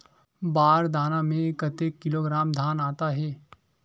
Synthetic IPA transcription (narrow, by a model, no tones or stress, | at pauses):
baːɾd̪aːnamẽkət̪eːkːɪloɡɾaːmd̪ʱaːnaːt̪aɦɛː